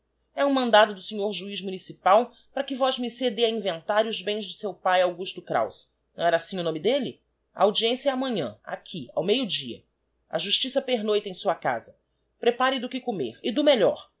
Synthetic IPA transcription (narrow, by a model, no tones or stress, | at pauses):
ɛũmɐ̃nd̪ad̪ʊd̪ʊsiɲoɾʒuizmunisipaw | pɾɐkɪvɔzmɪsed̪eɐĩvẽnt̪aɾiʊzbẽj̃zd͡ʒɪsewpajawɡuʃt̪ʊkɾa̰ws | nɐ̃w̃ɛɾɐasĩʊnõmɪd̪elɪ | a̰awd͡ʒiẽsjɐːmɐ̃ɲɐ̰̃a̰kʰia̰wmejʊd͡ʒiɐ̰ | ɐ̰ʒuʃt͡ʃisɐpeɾnojt̪ẽj̃suɐka̰zɐ | pɾepaɾɪd̪ʊkɪkomḛɾɪd̪ʊmeʎɔ̰ɾ